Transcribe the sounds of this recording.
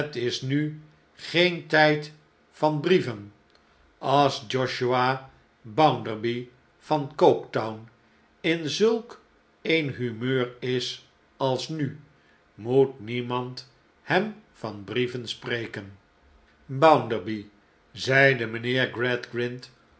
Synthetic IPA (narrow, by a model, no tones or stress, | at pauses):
ətɪsny | χejntɛjt | fɑnbrivən | ɑlˠsd͡ʒɔʃua | bawndəɹbi | v̥ɑnkowktɔwn | ɪnzɵlˠk | ejnɦymøːrɪs | ɑlˠsny | mutnimɑnt | hɛmfɑnbrivənsprejkən | bʌwndəɹbi | zɛjdəmənɪːɹɡrɛdɡrɪnt